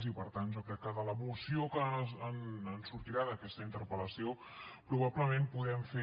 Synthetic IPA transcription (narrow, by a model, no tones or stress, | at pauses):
zipəɾt̪ant̪ʒokɾɛkːəðələβusiokəːnənsuɾt̪iɾaðəkɛst̪əint̪əɾpələsio | pɾuβabləmempuðɛmfe